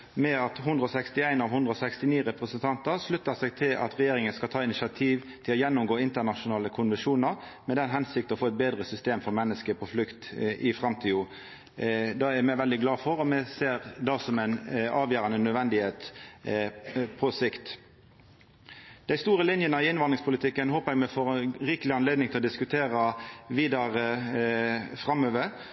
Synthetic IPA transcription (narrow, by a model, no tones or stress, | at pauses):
mɛɑt̪ɦʊnd̪ʁəɔsɛkst̪ɪæɪnɑʋhʊnd̪ʁɔsɛkst̪ɪniːʁɛpʁəsənt̪ʰɑnt̪əʁʂlʉt̪ːəʁsɛɡt̪ʰɪlʔɑ̰t̪ʁɛjeːɾɪŋənskɑlt̪ʰɑːɪnɪʃɑt̪ʰiːʋt̪ʰɪlɔjɛnːʊmɡoːɪnt̪ənɑʃʊnɑːləkʰʊnʋənʂuːnəʁmɛd̪ɛnɦɛnsɪkt̪ɔfoːɛt̪̚beːd̪ʁəsʏst̪eːmfɔʁmɛnːəskəpʰɔflʉkt̪ʔɪfʁɑmt̪ʰiːʊ | d̪ɑːæmɛɪʋɛld̪ɪɡlɑːfɔɾɔmɛseːʁd̪ɑsɔmɛɪnɑːʋjæːɾɑnənœd̪ʋɛnd̪ɪheːt̪ | pʰɔsɪkt̪ | d̪̥æɪst̪uːɾəlɪnjənəɪɪnʋɑnʁɪŋspʊlɪt̪ʰɪkːənhoːpəʁɛɡmɛfoːʁʁɪːkəlɪɑnleːd̪nɪŋt̪ɪlɔd̪ɪskʉt̪ʰeːʁɑʋiːd̪ɑʁə | fʁɑmøːʋə